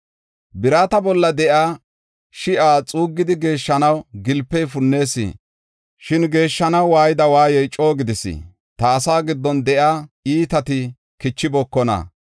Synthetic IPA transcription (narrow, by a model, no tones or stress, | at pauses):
bɪɾaːt̪ɐbɔlːɐd̪ɛʔaː | ʃɪʔaːt͡sʼuːɡːɪd̪ɪɡe̞ːʃːɐnɐwɡɪlpːɛjfʊnːe̞ːsḭː | ʃɪnɡe̞ːʃːɐnɐwwaːjɪd̪ɐwaːjɛjt͡ʃʼo̞ːɡɪd̪ɪsɪ̰ | t̪ɐːsaːɡɪd̪ːɔnd̪ɛʔaːiːt̪ɐt̪ɪ | kɪt͡ʃːɪbɔkːɔnɐ̰